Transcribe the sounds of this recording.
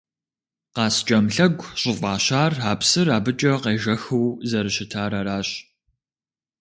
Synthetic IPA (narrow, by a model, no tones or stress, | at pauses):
qɑːst͡ʃʼɐmɬɐɡʷɕʼʊfʼɑːɕaːraːpsɨraːbɨt͡ʃʼɐqeːʒɐxɨwzɐɾɨɕɪtʰaːɾɐɾaːɕ